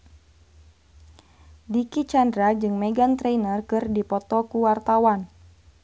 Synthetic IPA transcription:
dikit͡ʃandɾad͡ʒɨŋmɛɡant̪ɾejnərkɨrdipɔt̪ɔkuwart̪awan

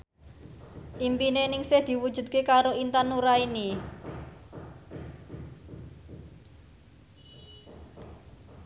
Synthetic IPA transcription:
ʔimpinenɪŋsehd̪̥i̤wud̥ʒ̥ṳd̪̚kekaɾoint̪anːuɾaini

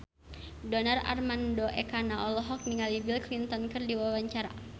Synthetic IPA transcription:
dɔnara̰rmandoʔɛkanaʔɔlɔɦɔk̚niŋalibilklint̪ɔnkɨrdiwawaɲt͡ʃaɾa̰

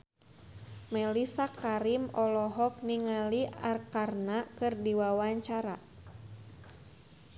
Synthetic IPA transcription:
mɛlisakaɾimɔlɔɦɔk̚niŋaliarkarnakɨrdiwawaɲt͡ʃaɾa

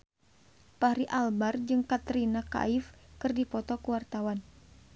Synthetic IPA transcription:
pahɾiʔalbard͡ʒɨŋkat̪ɾinaka̰ifkɨrdipɔt̪ɔkuwart̪awan

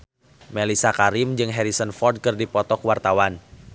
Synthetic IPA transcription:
melisakaɾimd͡ʒɨŋɦɛɾisənfɔrd̚kɨrdipɔt̪ɔkwart̪awan

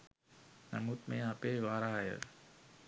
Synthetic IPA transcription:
nɐmut̪mẽapeːʋaːɾaɦjə̰ɾ

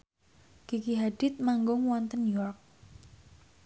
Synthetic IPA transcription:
kikiɦadɪt̪̚maŋɡʊŋwɔnt̪ənjɔrk̚

